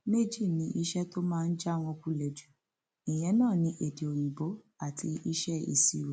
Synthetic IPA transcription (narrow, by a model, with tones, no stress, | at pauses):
me˦d͡ʒi˦˨nĩ˧˦ʔi˧ʃɛ˦to˦mãː˦˧n̩˦d͡ʒa˦w̃ɔ̃˧ku˦lɛ˨d͡ʒu˨ | i˨j̃ɛ̃˨˦nãː˦˨nĩ˨˦ʔe˨de˨o˨j̃ĩ˨bo˨˦ | a˦˨tʰi˧i˧ʃɛ˦ḭ˧˨si˨ɾe˨